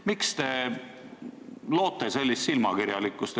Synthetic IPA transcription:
mikst̪e̞ | lo̞ːt̪ːˑese̞lʲːist̪silmɑkiɾjɑlikːˑust̪

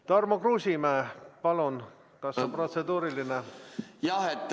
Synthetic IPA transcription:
t̪ɑrmokruːsʲimæepɑlun | kɑsonprot̪sed̪uːɾilinejɑɦet̪ːˑ

